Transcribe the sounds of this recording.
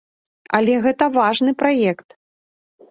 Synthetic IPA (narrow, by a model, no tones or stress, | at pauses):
ɐ̰lʲɛɣɛt̪ɐvaʐnɨpɾajɛkt̪